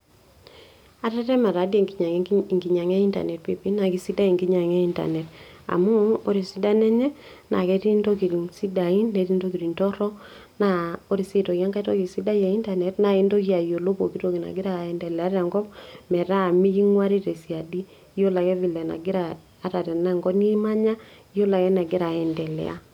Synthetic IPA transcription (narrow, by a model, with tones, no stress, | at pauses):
a˨˦ɾɛ˦tɛ˦ma˨ɾa˨˦di˦e˦˨i˨ɲa˨ŋɡi˨ɲa˨ŋɛ˦i˦nta̰˨nɛ˨t̚pe˨pi˦na˨ki˨si˦da˦i˨ŋɡi˦ɲa˨ŋɛ˦i˦nta̰˨nɛ˨ta̰˨mu˦o˦ɾi˨si˦da˦nɛ˦ɲɛ˦ | na̰˨kɛ˦ti˦ndo˦ki˨ɾi˨ŋsi˦da˨i˦nːe˨˦ɾi˦ndo˦ki˨ɾi˨ntɔ˦ɾɔ˦ | na˦o˦ɾi˨si˦to˨kja˦ŋka˦to˦ki˨si˦da˦jɛ˨i˦nta˨nɛ˨tna˨i˦ndo˦ki˦a˨jo˨lo˦po˨ki˦ɾo˦˨ki˨na̰˨ɡɪ˦ɾa˨ɛ˨ndɛ˨lɛ˨a˦ɾa˨ŋɡɔ˦pmɛ˨ɾa˦˨mi˦ki˦ŋwa˦ɾi˦ɾe˨si˨a˨di˦ | jo˦la˨kɛ˦vi˨lɛ˨na̰˨ɡɪ˦ɾaː˨˦ | ta˨tɛ˨na˦˨ŋɡɔ˦ni˦ma˦ɲa˦i˦jo˦la˨kɛ˦na˨ɡɪ˦ɾa˨ɛ˨ndɛ˨lɛ̰˨a̰˦